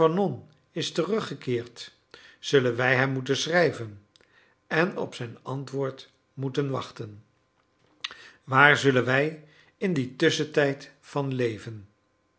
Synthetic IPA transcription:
ɑnɔn | ɪstərɵχəkɪːɹt | z̥ɵlənʋɛjɦɛmːutənsrɛjvən | ɛnɔ̰psɛjnɑntʋʊːɹt | mutənʋɑ̰χtən | ʋaːɹzɵlənʋɛj | ɪnditʏsətɛjt | fɑnlejvən

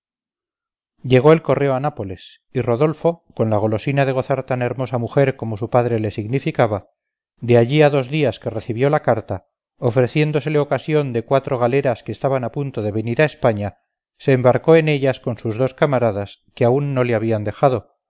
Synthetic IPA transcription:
ɟ͡ʝe̞ɣ̞o̞e̞lko̞re̞o̞anapo̞le̞s | iro̞ðo̞lfo̞ko̞nlaɣ̞o̞lo̞sinaðe̞ɣ̞o̞θaɾt̪ane̞ɾmo̞samuxe̞ɾko̞mo̞supaðɾe̞le̞siɣnifikaβa | d̪e̞aʎiaðo̞zðiaske̞re̞θiβjo̞lakaɾt̪a | ofɾe̞θje̞nd̪o̞se̞leo̞kasjo̞nd̪e̞kwat̪ɾo̞ɣ̞ale̞ɾaskeːst̪aβanapunt̪o̞ðe̞βe̞niɾae̞spaɲa | se̞ːmbaɾko̞e̞ne̞ʎasko̞nsuzðo̞skamaɾaðaskeaunːo̞leaβ̞iand̪e̞xaðo̞

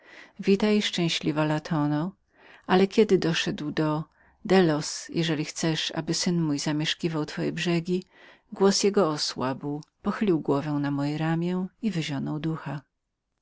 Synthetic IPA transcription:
vʲit̪ajʂt͡ʂɛ̃w̃ɕlʲivalat̪ʰɔnɔ | ʔalɛkʲɛd̪ɘd̪ɔʂɛd̪wd̪ɔ | d̪ɛlɔsjʔɛʐɛlʲixt̪sɛʂa̰bɘsɘnmujzamʲjɛʂkʲivawt̪fɔjɛbʐɛɡʲi | ɡwɔsjɛɡɔɔswabwpɔxɘlʲiwɡwɔvɛw̃namɔjɛɾamʲjɛivɘʑɔnɔwd̪uxa

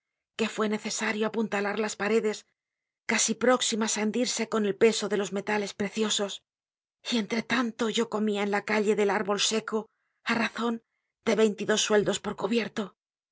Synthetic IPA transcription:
ke̞fwe̞ne̞θe̞saɾjoapunt̪alaɾlaspaɾe̞ðe̞s | kasipɾo̞ksimasand̪iɾse̞ko̞ne̞lpe̞so̞ðe̞lo̞zme̞t̪ale̞spɾe̞θjo̞so̞s | ie̞nt̪ɾe̞t̪ant̪o̞ʝo̞ko̞miaenlakaʎe̞ðe̞laɾβo̞lse̞ko̞ | araθo̞n | d̪e̞βe̞jnt̪iðo̞sːwe̞ld̪o̞spo̞ɾkuβje̞ɾt̪o̞

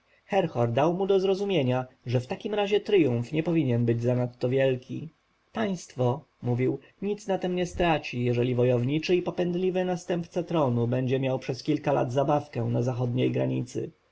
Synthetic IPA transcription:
xɛɾxɔɾd̪awmud̪ɔzɾɔzumʲjeɲaʐɛft̪akʲimɾaʑɛt̪ɾɘjũɱfɲɛpɔvʲiɲɛnbɘd͡ʑzanat̪ːɔvʲjɛlkʲḭ | paj̃st̪fɔ | muvʲiw | ɲit̪snat̪ɛmɲɛst̪ɾat͡ɕijɛʐɛlʲivɔjɔvɲit͡ʂɘipɔpɛnd̪lʲivɘnast̪ɛmpt̪sat̪ɾɔnubɛɲd͡ʑɛmʲjawpʂɛskʲilkala̰d̪zabafkɛnazaxɔd̪ɲejɡɾa̰ɲit̪sɘ̰

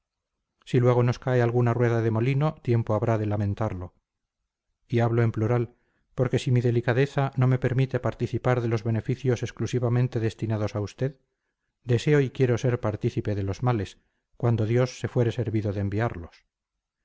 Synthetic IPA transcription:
silwe̞ɣ̞ono̞skaealɣunarwe̞ðaðe̞mo̞lino̞t̪je̞mpoaβɾaðe̞lamẽ̞nt̪aɾlo̞ | iaβloempluɾal | po̞ɾke̞simiðe̞likaðe̞θano̞me̞peɾmit̪e̞paɾt̪iθipaɾðe̞lo̞zβe̞ne̞fiθjo̞se̞sklusiβamẽ̞nt̪e̞ðe̞st̪inaðo̞saust̪e̞ð | d̪e̞se̞o̞ikje̞ɾo̞se̞ɾpaɾt̪iθipe̞ðe̞lo̞zmale̞s | kwand̪o̞ðjo̞sːe̞fwe̞ɾe̞se̞ɾβiðoðeːmbiaɾlo̞s

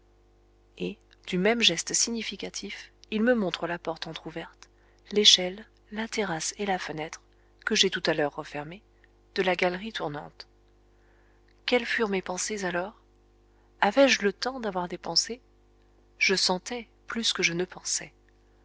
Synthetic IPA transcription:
e | d̪̥ymɛmʒɛst̪siɲifikʲat̪ʰifilməmɔ̃t̪χəlapɔʁt̪ɑ̃t̪χuvɛʁt̪ | leʃɛlː | at̪eʁaselafənɛt̪χ | kəʒet̪ut̪alœʁːəfɛʁme | d̪̥əlaɡalʁit̪ʰuʁnɑ̰̃t̪ | kʲɛlfyʁmepɑ̃sezalɔːʁ | avɛʒlət̪ɑ̃d̪avwaʁd̪epɑ̃se | ʒ̥əsɑ̃t̪ɛ | plyskəʒənəpɑ̃sɛ

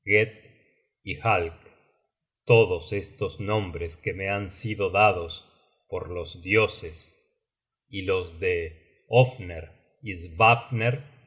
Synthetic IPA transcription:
ɣet̪̚ | ixalk | t̪oðosest̪o̞znõ̞mbɾeskemeansiðoðaðo̞s | poɾlozd̪jo̞ses | ilo̞zðe | ofneɾ | izβapneɾ

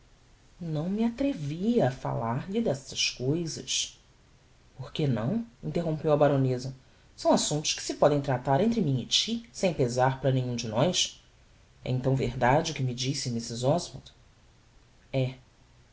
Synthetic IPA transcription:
nɐ̃w̃miat̪ɾeviɐːfa̰laɾʎɪd̪ɛsɐʃkojzɐʃ | poɾkenɐ̰̃w̃ĩnt̪eɦõpewɐbaɾonezɐ | sɐ̃w̃asũnt̪ʊ̥ʃkɪ̥sɪpɔd̪ẽj̃t̪ɾat̪aɾẽnt̪ɾɪmĩɲɪt͡ʃisẽj̃pezaɾpaɾɐnẽɲũd͡ʒɪnɔjs | ɛ̰ĩnt̪ɐ̃w̃vḛɾd̪ad͡ʒɪʊkɪmid͡ʒisɪmisɪzɔzmɛ̰t̪ | ɛ

